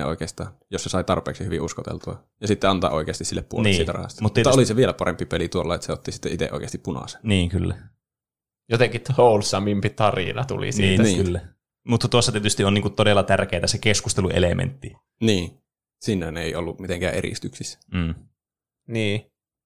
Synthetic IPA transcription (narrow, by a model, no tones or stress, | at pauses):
ḛo̰ˑikeːst̪ɑ̰ːnjosesɑˑit̪ɑrpˑḛːksihyʋiʔuskot̪ḛlt̪uɑ | jɑsit̪ːeɑnt̪ɑ̰ʔoˑikˑeːɑst̪isilːeppuolneisiːt̪ærɑ̰hɑ̰st̪ɑmut̪ːɑoliseʋielæpɑrempːipelit̪uolːɑet̪seot̪ːisit̪ːeʔit̪ḛʔo̰ˑikeːst̪ippunɑ̰se̥nniːŋkylːæ | jot̪eŋkit̪houlsɑmimpit̪ɑrḭnɑt̪ṵlḭsiiːiːkylːæ | mut̪ːɑt̪uosːɑt̪iet̪yst̪iʔonniːŋkut̪t̪odelːɑt̪ærkeːt̪æsekeskust̪eluʔelemʔḛnt̪ːi | niː | sinːæneˑiolːumit̪eŋkæːʔḛɾḭst̪yksisæ̥m̩ː | niː